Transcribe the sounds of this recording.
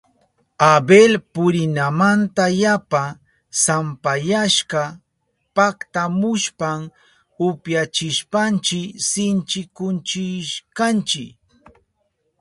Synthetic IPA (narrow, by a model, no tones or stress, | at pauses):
abelpʊɾɪnamant̪ajapa | sampajaʃɢɑ | pakt̪amʊʃpam | ʊpjat͡ʃɪʃpant͡ʃɪksɪnt͡ʃɪkʊnt͡ʃɪʃkant͡ʃɪk